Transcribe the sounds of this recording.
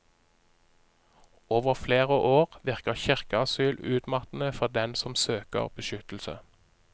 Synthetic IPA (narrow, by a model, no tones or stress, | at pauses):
oːʋəʁfleːʁəʔoːʁʋɪʁkəʁçɪʁkəɑsyːlʉːt̪mɑt̪n̩əfɔʁd̪ɛnsɔmsøːkə̰ʁbəʃʏt̪l̩sə̰